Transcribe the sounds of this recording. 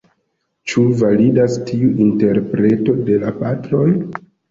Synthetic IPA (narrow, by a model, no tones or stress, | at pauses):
t͡ʃuvalidastʰiuʔinte̞ɾpɾe̞to̞de̞lapatɾo̞j